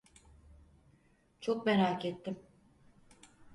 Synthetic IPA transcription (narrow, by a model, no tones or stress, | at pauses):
t͡ʃʰok̚bɛɾaːcet̪ʰːim